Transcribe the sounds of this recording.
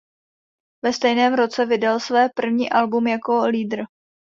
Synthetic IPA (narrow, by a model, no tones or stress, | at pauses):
vɛst̪ɛjnɛːmɾo̞t͡sɛvɪdalsvɛːpr̩vɲḭːʔalbumjako̞liːd̪r̩